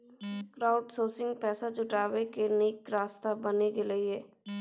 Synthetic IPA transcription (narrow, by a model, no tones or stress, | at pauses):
kɾaːʊɖsoːsɪ̃ŋɡ̚pɛːsad͡ʒʊʈaːʋekeniːkɾaːst̪abənekelɐiɦɛː